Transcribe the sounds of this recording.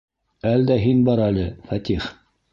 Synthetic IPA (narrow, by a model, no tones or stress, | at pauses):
æld̪æɦinbɑɾælɘfæt̪ʲiχ